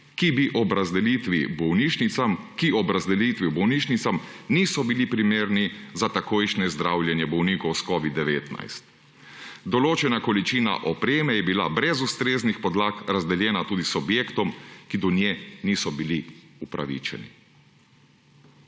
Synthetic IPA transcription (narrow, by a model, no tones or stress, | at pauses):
kibiʔɔbɾazɛlit̪ʋibɔwniʃniamkiɔbɾazd̪ɛlit̪ʋibɔwniːʃnit̪samniːsɔbilipɾimeːɾnizat̪akojʃnɛzd̪ɾaːwlʲjɛnjɛbɔwniːkɔwskɔʋid̪ːɛʋeːt̪na̰jst̪ | d̪ɔloːt͡ʃɛnakɔlit͡ʃiːna̰ʔɔpɾeːmɛjɛbila̰bɾɛzust̪ɾeːznixpɔd̪lakɾazd̪ɛljɛːnat̪uːd̪isɔbjeːkt̪ɔmkid̪ɔnjɛniːsɔbiliupɾa̰ʋḭːt͡ʃɛ̰nḭ